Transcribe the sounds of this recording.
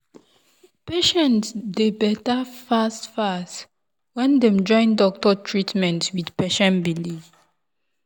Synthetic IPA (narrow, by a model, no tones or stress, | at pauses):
peʃɛ̃ntsdebɛtafastfast | wɛ̃ndɛ̃md͡ʒɔ̃ɪ̃ndɔk̚tɔtʰɹitmɛ̃ntwidpɛʃɛ̃nbili